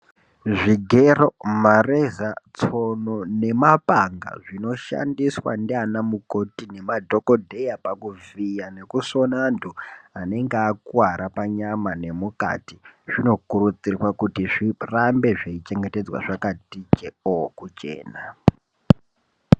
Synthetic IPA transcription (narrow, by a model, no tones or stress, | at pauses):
ʐiɡʱe̞ro̞marezat͡so̞none̞mapaŋɡa̰ʐino̞ʃa̰ndiswa̰ndianamuko̞tine̞madʱo̞ko̞dʱe̞japakuvijane̞kuso̞nanduane̞ŋɡeakuaɾapaɲamane̞muka̰tiʐ̥ino̞kuɾut͡sirwakutiʐirambe̞ʐeit͡ʃe̞ŋɡete̞d͡zwa̰ʐakatit͡ʃeokut͡ʃe̞̰ːna